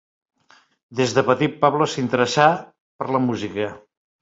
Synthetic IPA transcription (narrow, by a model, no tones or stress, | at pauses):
d̪ezðəpət̪it̪̚paβləsint̪əɾəsa | pəɾləmuzikə